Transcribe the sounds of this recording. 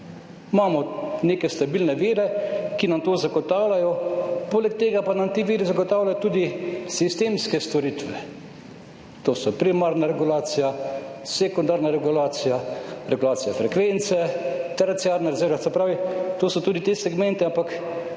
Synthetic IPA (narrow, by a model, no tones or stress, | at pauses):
maːmɔneːkɛst̪abiːlnɛʋiːɾɛkinamt̪oːzaɡɔt̪aːwlajɔpoːlɛk̚t̪eːɡapanamt̪iʋiːɾizaɡɔt̪aːwlʲajɔt̪uːd̪isist̪emskɛst̪ɔɾit̪ʋɛ | t̪oːsɔpɾimaɾnaɾɛɡulaːt̪sijasɛkɔnd̪aːɾnaɾɛɡulaːt̪sijaɾɛɡulaːt̪sijafɾɛkʋɛnt̪sɛt̪ɛɾat̪sijaːɾnaɾzɛwɾʋasɛpɾaːʋit̪oːsɔt̪uːd̪it̪esɛɡmɛ̃nt̪iampak